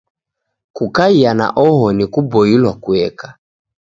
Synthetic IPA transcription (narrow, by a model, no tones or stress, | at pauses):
kukaiana̰ʔɔɦɔnikubɔilwakuɛkḁ